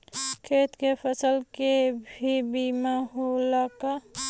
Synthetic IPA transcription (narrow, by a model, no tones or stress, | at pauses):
kʰeːt̪kepʰəsəlkebʱibimaɦolaka